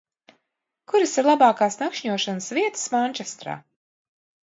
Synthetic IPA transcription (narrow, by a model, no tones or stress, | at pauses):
kuɾɨsiɾlˠabɑːkaːsnakʃɲuɔʃanəsviɛt̪ɨ̥smanʲt͡ʃɛst̪ɾa̰ː